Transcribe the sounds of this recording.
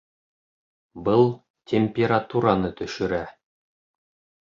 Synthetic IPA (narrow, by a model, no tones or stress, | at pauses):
bɤlˠ | tʲemʲpʲeɾat̪uɾanɤt̪ɵ̆ʃɵ̆ɾæ